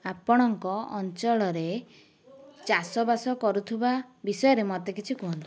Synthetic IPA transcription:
apɔɽ̃ɔŋkɔɔ̰nt͡ʃɔɭɔɾe | t͡ʃasɔbasɔkɔɾut̪ʰibabisɔjɔɾemɔt̪ekit͡ʃʰikuɦɔnt̪ii

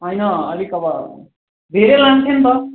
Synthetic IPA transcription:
ɦʌjnʌʌlikʌbʌɾ | d̪ʱeɾelant̪ʰent̪ʌ

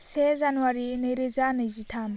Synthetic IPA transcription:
sezanuwaɾinɯjɾɯzanɯjzitʰam

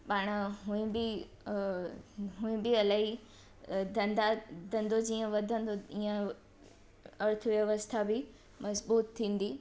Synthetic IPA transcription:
paːɽ̃əɦuĩbɪ | ɦũĩbɪɐlaːɦi | d̪ɐ̃nd̪ad̪ʱɐ̃nd̪od͡ʑiːə̃ʋɐd̪ʱə̃nd̪oiːə̃ | ɐɾt̪ʰəʋjɐʋəst̪ʰabɪ | mɐzbuːt̪ʰːĩːn̆d̪i

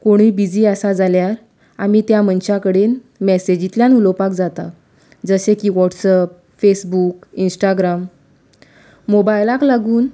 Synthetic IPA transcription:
koɽ̃iːbid͡ziːasad͡zaljaɾ | amit̪jamənt͡ɕakəɽen | mɛsed͡ʑit̪ljanulɔwpakd͡zat̪a | d͡zəsekiːʋɔʈsəp̚ | fesbukinsʈaɡɾam | mobajlaklaɡuːn

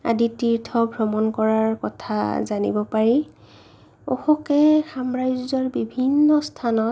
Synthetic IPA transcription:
a̰ditiɹtʰɔbʱɹɔmɔnkɔɹaɹkɔtʰa̰zanḭbɔpaɹi | o̰xɔkɛxamɹajzzɔɹbibʱinːɔstʰanɔt

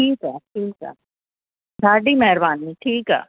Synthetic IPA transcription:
ʈʰiːkɦɛːʈʰiːkɛ̰ː | saːɖimɛɦɾbaːnːiʈʰiːkɦɛ̰ː

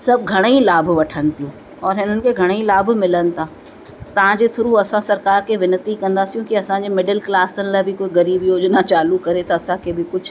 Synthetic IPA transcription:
sɐb̚ɡʱɐɽ̃əilaːbʱʋɐʈʰənɪ̆t̪ijũː | ɔːɾɦɪnənɪ̆kʰeɡʱɐɽ̃ilaːbmɪlənɪ̆t̪ʰãː | t̪ɐʋ̤ãd͡ʑet̪ʰʊɾuɐsãsɐɾkaːɾkeʋɪnət̪ikɐ̃nd̪asijũkiɐsãd͡ʑemɪɖəlklaːsənɪ̆labʱɪkoːiɡɐɾiːbjoːd͡ʑnat͡ɕaːlukɐɾet̪ɐɐsãkʰebʱɪkʊt͡ʃʰ

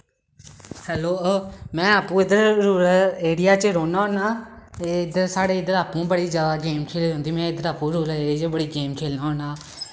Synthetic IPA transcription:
hɛloːmɛ̃ːaːpũːɪd̪əɾɾuːɾəeːɽɪjaːt͡ʃəɾoːnaːɦõːnaːeɪd̪əɾsaːɽeːɪd̪əɾaːpũːbəɽiːd͡ʒaːd̪aːɡeːmkʰeːliːɦõːnd̪iːmɛ̃ːɪd̪əɾaːpũːɾoːləet͡ʃəbəɽiːɡeːmkʰeːlnaːɦõːnaː

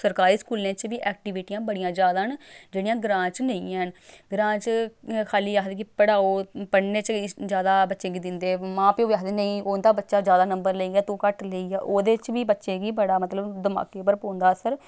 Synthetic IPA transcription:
səɾkaːɾiːskuːlẽːt͡ʃʋiːʔɛːk̚ʈiʋɪʈiːjãːbəɽijãːd͡ʒjaːd̪aːnd͡ʒeːɽijãːɡɾãːt͡ʃnə̃ĩːɦənɡɾãːt͡ʃkʰaːliːaːkd̪eːkɪpəɽaːoːpəɳneːt͡ʃd͡ʒjaːd̪aːbətːʃẽːɡiːd̪ɪnd̪eːmãːpeoaːkd̪eːnəĩːoːnd̪aːbətːʃaːd͡ʒjaːd̪aːnəmbəɾləiːɡɛːt̪õːkəʈləiːɡaːʔoːd̪eːt͡ʃʋiːbətːʃẽːɡiːbəɽaːmət̪ləbd̪əma̰ːkeːpəɾpõːnd̪aːsəɾ

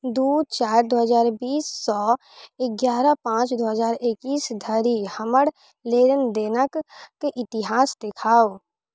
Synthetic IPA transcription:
d̪uːd̪̚t͡ʃaːɾd̪oːɦəzaːɾbiːsːɔː | ɪɡjaːɾəpãːt͡ʃd̪oːɦəzaːɾɪkiːsd̪ʱəɾihəməɽ | leːɾənd̪eːnəkːeʔɪt̪ɪɦaːsd̪ɪkʰaːo

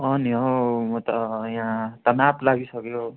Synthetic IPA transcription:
ʌniɦomʌt̪ʌjãt̪ʌnablaɡisʌkjo

